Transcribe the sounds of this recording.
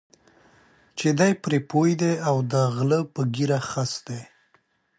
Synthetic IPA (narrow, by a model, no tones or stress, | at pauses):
t͡ʃed̪ajpɾepojd̪eawd̪əɣləpəɡiɾaxasd̪e